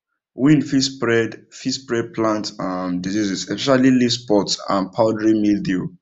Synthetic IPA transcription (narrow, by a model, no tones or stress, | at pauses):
wĩnfispɹɛdfispɹɛd̚pʰlãntamdizizisɛspɛʃalilispɔtsã̰npʰaʊdɹimildi